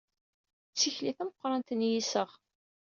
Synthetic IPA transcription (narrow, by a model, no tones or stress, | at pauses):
t͡sːiçliθæməqːɾˤɑnt̪ənjisəʁ